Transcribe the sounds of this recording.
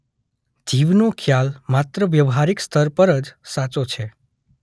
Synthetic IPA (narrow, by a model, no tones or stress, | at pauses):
d͡ʒiʋnokʰjalmat̪ɾəʋjəʋɦaɾikst̪ʰəɾpəɾəd͡ʒsat͡ʃot͡ʃʰe